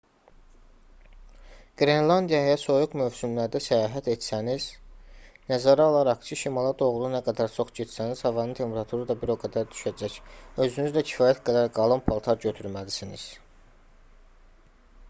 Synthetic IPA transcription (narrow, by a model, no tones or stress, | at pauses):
ɡ̥ɾenlˠɑnd̪ijɑjɑso̞juqmøvsymlæɾd̪æsæjɑːɦæt̪et̪sæniz̥ | næzɑɾɑolˠɑɾɑχt͡ʃʰɯʃimɑlˠɑd̪oɣlˠunæɡæd̪æɾt͡ʃʰo̞χɟet̪sæniz̥hɑvɑnɯnt̪ʰe̞mpʰeɾɑt̪ʰuɾɯd̪ɑbiɾoɡæd̪æɾd̪y̥ʃæd͡ʒæcø̞zynyzlæcʰi̥fɑːjæt̪ɡæd̪æɾɡɑlˠɯnpʰɑlˠt̪ʰɑɾɟøt̪ʰyɾmæd̪isiniz̥